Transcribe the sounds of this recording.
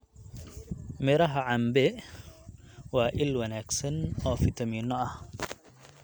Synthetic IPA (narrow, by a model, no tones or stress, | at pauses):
mɪɾɐɦɐʕɑmbɛ | wɑːʔɪlwɐnaːɡsɐnɔːfɪt̪ʰɐmiːnːɔɐh